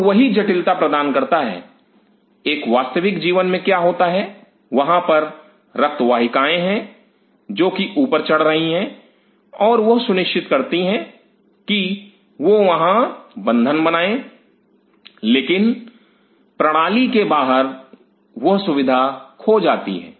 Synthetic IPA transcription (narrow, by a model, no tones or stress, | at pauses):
ʋɐɦid͡ʒɐʈɪlt̪apɾɐd̪aːnkɐɾt̪aɦɛ̰ː | eːkʋaːst̪əʋɪkd͡ʒiːʋənmẽkjaːɦoːt̪aɦɛ | ʋɐɦãpɐɾ | ɾɐk̚t̪ʋaːɦɪkaːẽɦɛ̃ | d͡ʒoːkiʔuːpəɾt͡ʃɐɽ̤ɾɐɦiɦɛ̃ | ɔːɾʋɐɦsʊnɪʃt͡ʃɪt̪kɐɾt̪iɦɛ̃ | ki | ʋoʋɐɦãbɐ̃nd̪ʱənbɐnaːẽ | leːkɪn | pɾɐɽ̃aːlikebaːɦəɾ | ʋɐɦsʊʋɪd̪ʱakʰod͡ʒaːt̪ḭɦɛ̰̃ː